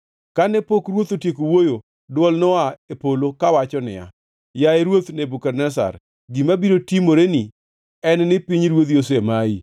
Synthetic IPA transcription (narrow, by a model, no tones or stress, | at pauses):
kanɛpokɾwot̪otjekowojo | dwɔlnɔaepolokawat͡ʃɔnɪ̰ja̰ | jaeɾwot̪nebukɛrnɛs̬a̰ɾ | ɡimabiɾotimoɾeni | ɛnnɪpiɲɾwot̪josemai